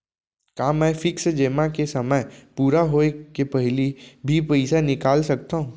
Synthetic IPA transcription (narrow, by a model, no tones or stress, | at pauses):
kaːmɛ̃ːfɪksd͡ʒeːmakesɐməjpuːɾaɦoːekepɛɦlibʱipɛɪsanɪkaːlsɐk̚t̪aɦũː